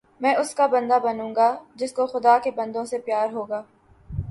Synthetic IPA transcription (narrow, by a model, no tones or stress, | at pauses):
mɛ̃ːʔʊskabɐ̃nd̪abɐnũːŋɡad͡ʒɪskoxʊd̪aːkebɐ̃nd̪õsepjaːɾɦoːɡaː